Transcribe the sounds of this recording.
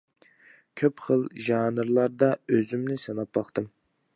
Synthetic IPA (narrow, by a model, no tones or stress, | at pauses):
kʲʰøpχəlˠʒɑːnɨɾlˠɑɾd̪ɑøzymnɪsɑnɑpbɑχt̪ɨm